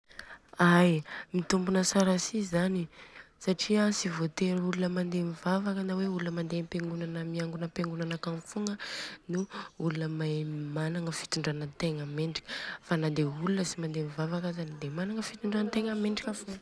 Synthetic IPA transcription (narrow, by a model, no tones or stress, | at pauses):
ajmit̪umbunəsaɾasizanisaʈ͡ʂiasivot̪eɾulunəmand̪emivavakənaweulunəmand̪empeŋɡunanəmiaŋɡunəpeŋɡunanakanfuŋənuulunəmajmanaŋəfi̥t̪uɳɖ͡ʐanət̪eŋameɳɖ͡ʐi̥kʲə̥fanad̪eulunəsimand̪emivavakazanid̪emanaŋəfit̪uɳɖ͡ʐanət̪eŋəmeɳɖ͡ʐikʲafuŋə